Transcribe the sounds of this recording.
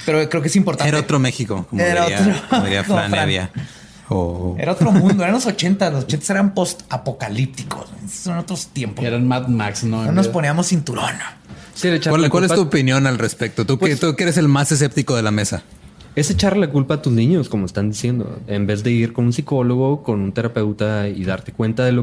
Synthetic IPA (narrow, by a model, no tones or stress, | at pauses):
pe̞ɾokɾeokeesimpo̞ɾt̪aeɾaot̪ɾomexikokomoeiɾaoiɾoðiɾiakfɾanfaβja | o̰eɾaot̪ɾomnũnd̪oeanlos̬ot͡ʃent̪alos̬ot͡ʃent̪ḁseɾampo̞st̪apokalip̚t̪iko̰sseanot̪ɾost̪jempoeɾanmat̪maksnononospo̞niamosint̪uɾo̰nasilet͡ʃaɾwakwalet̪uopinjo̞nalrespek̚t̪ot̪ukpet̪ukeeɾes̬e̞lmases̬ep̚t̪iko̞ðe̞lame̞sa | e̞set͡ʃarelakulpaːt̪uznĩɲoskomoest̪and̪isje̞nd̪o̰embe̞zðe̞iɾko̞nunsiko̞lo̞ɣo̞ko̞nunt̪e̞ɾape̞wt̪aiðaɾt̪e̞kwe̞nt̪aðelo